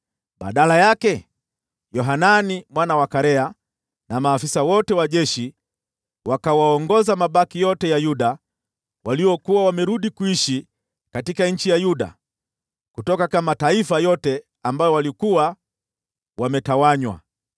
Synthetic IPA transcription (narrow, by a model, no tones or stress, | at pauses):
ɓa̰ɗalajakɛ | jɔɦananimwanawakaɾɛa | namaːfisawɔtɛwaʄɛʃi | wakawaɔŋɡɔzamaɓakijɔtɛjajuɗa | waliwɔkuwawamɛɾuɗikuiʃi | katikaɲ̩t͡ʃijajuɗa̰ | kutɔkakamataifajɔtɛ | ambajɔwalikuwa | wamɛtawaɲwa̰